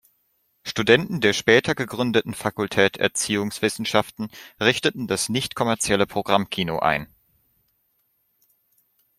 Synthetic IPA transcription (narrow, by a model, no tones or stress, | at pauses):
ʃtudɛntn̩deːɐʃpɛːtʰɐɡəɡʁʏndətn̩fakʊltʰɛːtɛ̰ɐt͡siːʊŋsv̥ɪsn̩ʃaftn̩ʁɪçtətn̩dasnɪçtkʰɔmɛɐt͡sjɛləpʁ̥oɡʁamkʰiːnoʔa̰ɪn